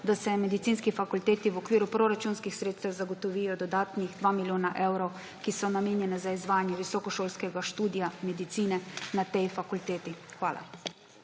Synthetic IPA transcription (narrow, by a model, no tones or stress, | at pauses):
d̪asɛmɛd̪it̪siːnskifakult̪eːt̪iwɔkʋiːɾupɾoɾat͡ʃuːnskixsɾeːt̪st̪ɛwzaɡɔt̪ɔʋiːjɔd̪ɔd̪aːt̪niɣd̪ʋaːmiljoːnaʔewɾɔw | kisɔnameːnjɛnɛzaizʋaːjanjɛʋisɔkɔʃoːlskɛɡaʃt̪uːd̪ijamɛd̪it̪siːnɛnat̪ɛjfakult̪eːt̪ixʋaːla̰